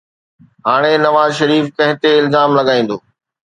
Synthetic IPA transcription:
ɦaːɽ̃enɐʋaːzʃɐɾiːfkɐ̃ɦɪ̃t̪eɪlzaːmlɐɠaːĩːn̆d̪oː

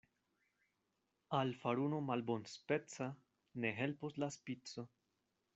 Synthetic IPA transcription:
alfaɾuno̞malbonspe̞t͡sa | ne̞ɦe̞lpuslaspit͡so̞

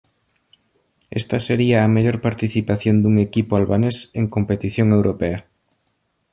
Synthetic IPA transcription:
ḛst̪ɐseɾiɐːmeʎoɾpaɾt̪iθipaθjond̪uŋekipʊalβaneseŋkompet̪iθjoŋewɾopeɐ

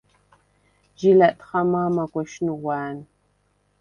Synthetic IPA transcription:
d͡ʒilɐtʼχɐmaːmɐɡʷɔʃnɨwɑːn

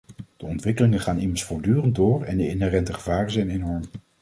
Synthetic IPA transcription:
d̥əɔntʋɪkəlɪŋənχaːnɪməɹsfʊːɹdyːrənt̚dʊːɹɛ̰ndəɪnɦɛrɛntəχəvaːrənzɛjnenɔɹm

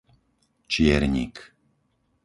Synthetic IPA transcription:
t͡ʃɪɛɾɲḭk

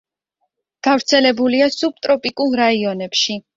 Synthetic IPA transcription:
ɡ̥avɾt̪sʰɛlɛbuliasub̚t̪ʼɾɔpʼikʼulˠɾaiɔnɛpʃi

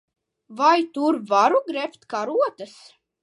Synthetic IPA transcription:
vajt̪uɾvaɾuɡɾɛpt̪kaɾuɔt̪as

